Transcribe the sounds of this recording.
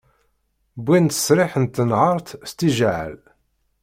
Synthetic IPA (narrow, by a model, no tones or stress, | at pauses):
bint̪ə̥sɾɪħənt̪ːənʕəɾˤt̪st̪iʒʕə̰l